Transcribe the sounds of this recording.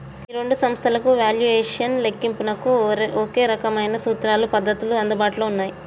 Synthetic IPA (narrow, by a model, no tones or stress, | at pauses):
iɾe̞ɳɖusɐmst̪ʰɐlɐkuʋaːljueːʂɐnlekːimpunɐkːuoːke̞ːɾɐkɐmɐjnɐsuːt̪ɾaːlupɐd̪ːɐt̪uluɐnd̪ubaːʈɐloːunːaːji